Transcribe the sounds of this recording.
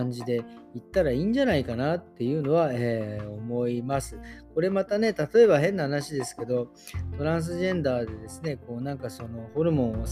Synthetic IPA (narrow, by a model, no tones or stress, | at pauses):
aɲ̟d͡ʑid̪e̞ | it̪ːaɾaiːɲ̟d͡ʑanaikanat̪ːe̞jɯ̟ːno̞β̞ae̞ːo̞mo̞imasɨko̞ɾe̞mat̪ane̞t̪at̪o̞e̞baɦẽ̞nːahanaɕid̪e̞sɨ̥ke̞d̪o̞ | t̪o̞ɾãɰ̃s̬ɨʑẽ̞nd̪aːd̪e̞d̪e̞sɨne̞ko̞ːnãŋkaso̞no̞ho̞ɾɯ̟mõ̞o